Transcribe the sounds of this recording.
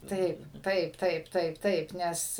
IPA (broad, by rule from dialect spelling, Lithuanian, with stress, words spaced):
ˈtɐɪp ˈtɐɪp ˈtɐɪp ˈtɐɪp ˈtɐɪp ˈnʲɛs